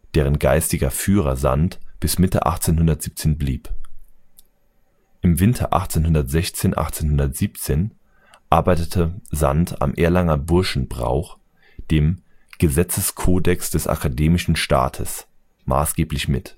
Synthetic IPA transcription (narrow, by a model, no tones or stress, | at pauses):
d̥eːʁ̞ənɡaɪstɪɡɐfyːʁɐ̰za̰ntb̥ɪsmɪtə̰ʔa̰χt͡seːnhʊndɐtz̥iːp̚t͡seːnbliːp | ʔɪmvɪntʰɐ̰ʔa̰χt͡seːnhʊndɐtz̥ɛçt͡seːnʔa̰χt͡seːnhʊndɐtz̥iːpt͡seːn | ʔaɐbaɪtətʰəzanta̰mʔeːɐlaŋɐbʊɐʃn̩bʁa̰ʊχ | d̥eːmɡ̥əzɛt͡səskʰoːdɛksd̥ɛsʔa̰kʰadeːmɪʃn̩ʃta̰ːtʰəs | ma̰ːsɡ̥eːplɪçmɪt